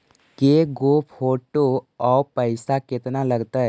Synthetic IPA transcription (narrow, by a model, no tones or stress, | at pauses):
keɡoːpʰoːʈoɔːpəɪsakɪt̪nalɐɡt̪aɦɛ